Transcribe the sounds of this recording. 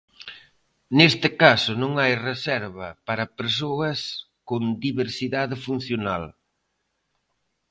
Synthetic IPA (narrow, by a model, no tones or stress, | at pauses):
nest̪ɪkasʊnõŋajresɛɾβɐpaɾɐpeɾsoɐs | koŋd̪iβeɾsiðaðɪfun̟θjona̰l